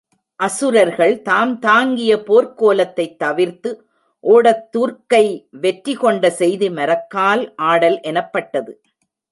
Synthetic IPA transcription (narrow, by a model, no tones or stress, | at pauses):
ʔɐsɯɾɐɾɣɐɭt̪aːmt̪aːŋɡɪjɐpoːɾkoːlɐt̪ːɐɪt̪ːɐʋɪɾt̪ɯ | ʔoːɽɐt̪ːuːɾkɐɪʋɛʈɾɪkɔɳɖɐsɛjðɯmɐɾɐkːaːlʔaːɽɐlʔɛnɐpːɐʈːɐðɯ